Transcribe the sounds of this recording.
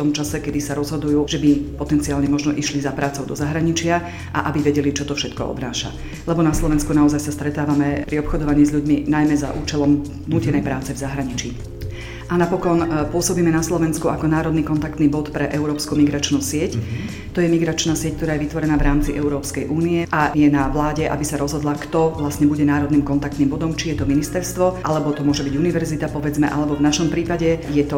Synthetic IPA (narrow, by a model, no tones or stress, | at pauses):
t̪ɔmt͡ʃasɛkɛd̪isaɾɔzɦɔd̪ujuːʒ̥ɛbipɔt̪ɛnt͡siaːlɲɛmɔʒnɔʔiʃlizapɾaːt͡sɔʊd̪ɔzaɦɾaɲit͡ʃɪa | ʔaʔabiʋɛɟɛlit͡ʃɔt̪ɔfʃɛt̪kɔ̰ɔ̰d̪naːʃa̰ | lɛbɔnaslˠɔʋɛnskunaɔzajsast̪ɾɛt̪aːʋamɛpɾiɔpxɔd̪ɔʋaɲiːzʎuɟminajmɛza̰ʔuːt͡ʃɛlɔm | nuːcɛnɛjpɾaːt͡sɛvzaɦɾaɲit͡ʃi | ʔanapɔkɔnpʊɔsɔbiːmɛnaslɔʋɛnskuʔakɔnaːɾɔd̪nikɔnt̪akt̪niːbɔt̪pɾɛʔɛʊɾɔːpskumiɡɾat͡ʃnuːsɪɛc | t̪ɔjɛmiɡɾat͡ʃnasɪɛc̚k̚t̪ɔɾaːjɛʋit̪ʋɔɾɛnaːvɾaːmt͡siʔɛʊuɾɔːpskɛjʔuːniɛʔajɛnaʋlaːɟɛʔa̰bisaɾɔzɦɔd̪lakt̪ɔʋlastɲɛbuɟɛnaːɾɔd̪niːmkɔnt̪akt̪niːmbɔd̪ɔmt͡ʃijɛt̪ɔminist̪ɛɾst̪ʋɔʔalɛbɔt̪ɔmʊɔʒɛbiɟuniʋɛɾzit̪apɔʋɛd͡zmɛʔa̰lɛbɔvnaʃɔmpɾiːpaɟɛjɛt̪ɔ